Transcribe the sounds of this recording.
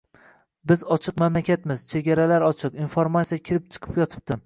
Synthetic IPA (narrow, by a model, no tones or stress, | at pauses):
bɪzɒt͡ʃʰɨqmamlakʲat̪mɪzt͡ʃʰe̞ɡʲaɾalaɾɒt͡ʃʰɨqinfoɾmat̪sijakʲʰɪɾɪp̚t͡ʃʰɨ̥qʰɨ̥pjɒt̪ʰɪ̥p̚t̪ɪ